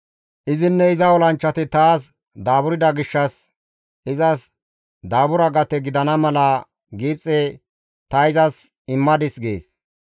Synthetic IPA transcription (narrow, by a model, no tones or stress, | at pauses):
ʔɪzɪnːɛɪzɐɔlɐnt͡ʃːɐt̪ɪt̪aːs | d̪aːbʊɾɪd̪ɐɡɪʃːɐs | ɪzɐs | d̪aːbʊɾɐɡɐt̪ɛɡɪd̪ɐnɐmɐlɐ | ɡiːpt͡sʼːɛ | t̪ɐɪzɐs | ɪmːɐd̪ɪsɡḛːs